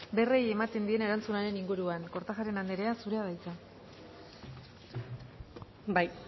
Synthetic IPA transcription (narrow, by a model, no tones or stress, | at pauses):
be̞reje̞mat̪e̞nd̪ie̞ne̞ɾant͡sunaɾe̞niŋɡuɾuaŋko̞ɾt̪axaɾe̞nand̪eɾe̞asuɾe̞aðajt͡sa | baj